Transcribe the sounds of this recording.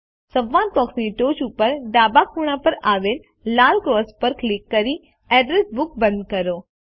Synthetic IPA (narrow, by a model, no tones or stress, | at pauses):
səʋːãːnpɔksniʈoːt͡ʃupəɾɖaːbakʰuːɽ̃apəɾaːʋel | laːlkɾɔːspəɾklikːəɾi | ɛːɖɾesbʊk̚bə̃nd̪kɐɾoː